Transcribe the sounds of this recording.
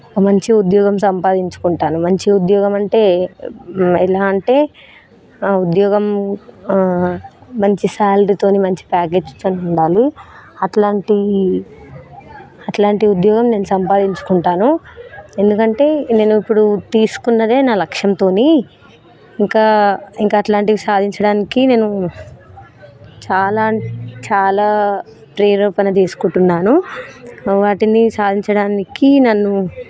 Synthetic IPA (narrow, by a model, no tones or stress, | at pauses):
ɔkɐmɐɲt͡ʃiud̪jɔːɡɐmsɐmpaːd̪iɲt͡ʃu̥kuɳʈaːnumɐɲt͡ʃiud̪jɔːɡɐmɐɳʈe̞ː | ɛlaːɐɳʈe̞ː | ud̪jɔːɡɐm | ɐɲt͡ʃisaːlɖit̪o̞ːnimɐɲt͡ʃi̥paːk̬e̞ːd͡ʒt̪o̞ːniuɳɖaːluɐʈlaːɳʈi | ɐʈlaːɳʈiud̪jɔːɡɐmne̞ːnusɐmpaːd̪iɲt͡ʃu̥kuɳʈaːnue̞nd̪ukɐɳʈe̞ːne̞ːnuipːuɽut̪iːsu̥kunːɐd̪e̞ːnaːlɐkʂjɐmt̪o̞ːni | iŋkaːiŋkaːʈlaːɳʈiɡisaːd̪ʱiɲt͡ʃɐɽaːnikine̞ːnu | t͡ʃaːlaːt͡ʃaːlaː | pɾeːɾoːpɐnɐt͡ʃe̞ːsu̥kuɳʈunːaːnu | ʋaːʈinisaːd̪ʱiɲt͡ʃɐɽaːnikinɐnːu